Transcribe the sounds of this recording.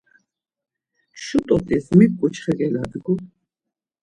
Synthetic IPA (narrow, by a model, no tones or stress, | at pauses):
ʃut̪ʼɔt̪ʼismikkʼut͡ʃʰχɛɡɛlad̪ɡu